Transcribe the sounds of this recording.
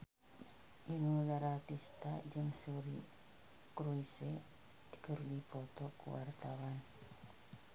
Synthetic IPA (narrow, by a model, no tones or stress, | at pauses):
ʔinulaɾat̪ist̪ad͡ʒɨŋsuɾi | kɾuise | t̪ə̥kərdipɔt̪ɔkṵwart̪awan